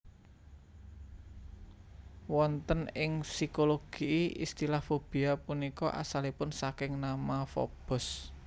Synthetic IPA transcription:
wɔnt̪ənɪŋsikoloɡ̥iʔiḭst̪ilafob̥i̤apunikɔ̰ʔa̰salipʊnsakɪŋnamafo̰b̥ʊ̤s

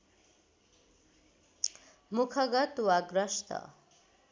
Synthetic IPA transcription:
mukʰʌɡʌt̪uwaɡɾʌʃt̪ʌ̰

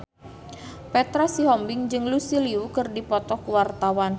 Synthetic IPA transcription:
pɛt̪ɾasiɦɔmbɪŋd͡ʒɨŋlusiliukɨrdipɔt̪ɔkuwart̪awan

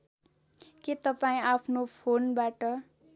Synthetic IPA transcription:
ket̪ʌpaĩapʰnopʰonbaʈʌ

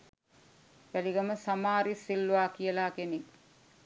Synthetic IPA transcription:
ʋæliɡaməsamaːɾisilːʋaːkijəlaːkeni

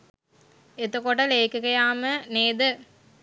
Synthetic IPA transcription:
et̪okoʈəleːkɐkɐjaːməneːd̪ə

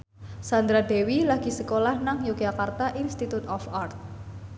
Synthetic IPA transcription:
sand̪ɾad̪ewilaɡ̥i̤səkolahnaŋjoɡ̥akart̪aʔinst̪it̪ut̪ɔfart̪̚

